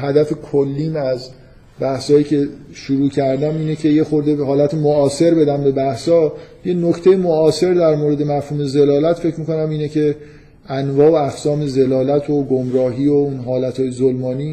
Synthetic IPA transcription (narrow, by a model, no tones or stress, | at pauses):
hæd̪æfekʰolːiːnæz | bæhsɒːjiːcʰe̞ʃuɾuːcʰæɾd̪æmiːnecʰe̞jexoɾd̪eɦɒːlæt̪ʰemoɒːse̞ɾbe̞d̪æmbe̞bæhsɒːjenoct̪ʰe̞jemoɒːse̞ɾd̪æɾmoɾed̪e̞mæfhuːme̞ze̞lɒːlæt̪fe̞cmiːko̞næmiːnecʰe̞ | ʔænvɒːoæxsɒːme̞ze̞lɒːlæt̪ʰoɡomɾɒːɦiːounɦɒːlæt̪ʰhɒːjezolmɒːniː